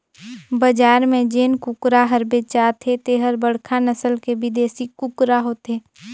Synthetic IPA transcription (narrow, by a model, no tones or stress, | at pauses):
bəd͡ʒaːɾmẽd͡ʒeːnkʊkɾaɦəɾbet͡ʃaːt̪ʰet̪eːɦəɾbəɽ̤kʰanəsəlkebɪd̪eːsikʊkɾaɦoːt̪eː